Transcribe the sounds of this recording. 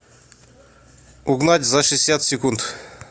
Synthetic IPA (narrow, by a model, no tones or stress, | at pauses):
ʊɡnatʲzɐʂɨsʲat̪sʲɪkunt̪